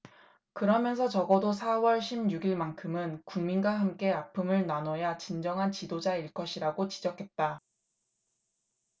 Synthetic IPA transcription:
kɯɾʌmjʌnsʰʌt͡ɕʌɡʌdosʰawʌɭɕʰibjuɡiɭmankʰɯmɯnkuŋminɡwaɦamk͈e̞apʰɯmɯɭnanʌjat͡ɕind͡ʑʌŋɦant͡ɕidod͡ʑaiɭk͈ʌɕʰiɾaɡot͡ɕid͡ʑʌkʰe̞t̚t͈a

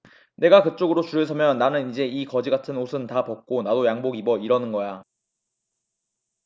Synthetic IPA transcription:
ne̞ɡakɯt͡ɕ͈oɡɯɾot͡ɕuɾɯɭsʰʌmjʌnːanɯnid͡ʑe̞ikʌd͡ʑiɡatʰɯnosʰɯntapʌk̚k͈onadojaŋboɡibʌiɾʌnɯnɡʌja

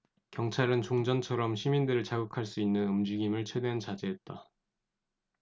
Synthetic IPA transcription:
kjʌŋt͡ɕʰaɾɯnt͡ɕoŋd͡ʑʌnt͡ɕʰʌɾʌmɕʰimindɯɾɯɭt͡ɕaɡɯkʰaɭs͈uinːɯnɯmd͡ʑiɡimɯɭt͡ɕʰwe̞dwent͡ɕad͡ʑeɦːt̚t͈a

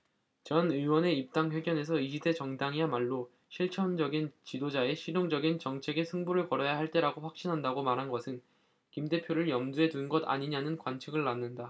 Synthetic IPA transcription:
t͡ɕʌnɯiwʌne̞ip̚t͈aŋɸwe̞ɡjʌne̞sʰʌiɕʰide̞t͡ɕʌŋdaŋiamaɭːo | ɕʰiɭt͡ɕʰʌnd͡ʑʌɡint͡ɕidod͡ʑae̞ɕʰiɾjoŋd͡ʑʌɡint͡ɕʌŋt͡ɕʰe̞ɡe̞sʰɯŋbuɾɯɭpʌɾʌjaɦaɭt͈e̞ɾaɡoɸwak̚ɕ͈inɦandaɡomaɾɦanɡʌsʰɯn | kimde̞pʰjoɾɯɭjʌmdue̞tunɡʌda̰ɲiɲanɯnkwant͡ɕʰiɡɯɭːanːɯnda

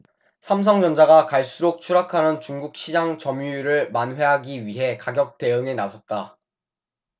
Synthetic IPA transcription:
sʰams̬ʰʌŋd͡ʑʌnd͡ʑaɡakaɭs͈uɾok̚t͡ɕʰuɾakʰanɯnt͡ɕuŋɡuk̚ɕʰid͡ʑaŋt͡ɕʌmjuiɾɯɭmanwe̞ɦaɡiɥiɦe̞kaɡjʌk̚t͈e̞ɯŋenasʰʌt̚t͈a

